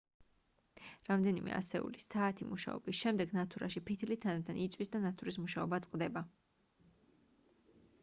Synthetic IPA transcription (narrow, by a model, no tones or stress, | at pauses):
ɾamd̪ɛnimɛ̰a̰sɛṵlisaːt̪ʰimuʃa̰ɔ̰bisʃɛmd̪ɛɡnat̪ʰuɾa̰ʃipʰit̪ʰlit̪ʰːanat̪ʰanit̪sʼwisd̪anat̪ʰuɾismuʃaɔbat̪sʼqʼd̪ɛba